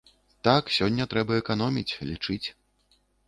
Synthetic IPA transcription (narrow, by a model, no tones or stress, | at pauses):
t̪aksʲɔnʲːɐt̪ɾɛbɐɛkan̪ɔmʲit͡sʲlʲḭt͡ʂɨt͡sʲ